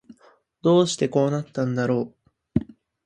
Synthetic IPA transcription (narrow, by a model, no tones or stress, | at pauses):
d̪o̞ːɕi̥t̪e̞ko̞ːnat̪ːãnd̪aɾo̞ː